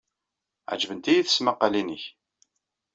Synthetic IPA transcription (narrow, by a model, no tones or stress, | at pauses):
ʕd͡ʒvənt̪ijiθə̥sməqːəlinəç